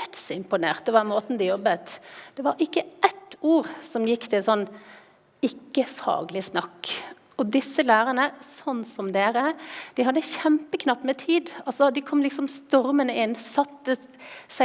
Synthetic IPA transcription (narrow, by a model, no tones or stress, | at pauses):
t̪sɪmpʊneːʁt̪̚d̪ɛʋɑmoːt̪nd̪ɪjɔbːət̪d̪̥ɛʋɑɾɪkːəʔɛt̪ːuːɾsɔmjɪkːt̪ʰɪlsɔnː | ɪkːəfɑ̰ːɡəlɪsnɑkː | ɔd̪ɪsːəlæːɾənəsɔnːsɔmd̪eːɾəd̪̥ɪɦɑd̪ːəçɛmpəkʰnɑpːmɛt̪ʰiːd̪ɑlsɔd̪ɪkʰɔmlɪksɔmst̪ɔɾmənəɪnːsɑt̪ːə | sæ